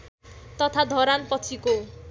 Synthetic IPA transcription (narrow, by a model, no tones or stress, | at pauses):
t̪ʌt̪ʰad̪ʱʌɾanpʌt͡sʰiko